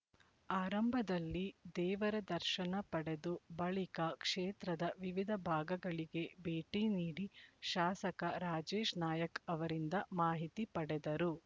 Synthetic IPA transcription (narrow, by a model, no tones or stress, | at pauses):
aːɾɐmbʱɐd̪ɐlːid̪ɛːʋɐɾɐd̪ɐɾʃɐnɐpɐɽed̪ubɐɭikɐkʂeːt̪ɾɐd̪ɐʋiʋid̪ʱɐbʱaːɡɐɡɐɭiɡe̞beːʈiniːɽiʃaːsɐkɐɾaːd͡ʒeːʃnaːjɐkɐʋɐɾind̪ɐmaːɦit̪ipɐɽɛd̪ɐɾu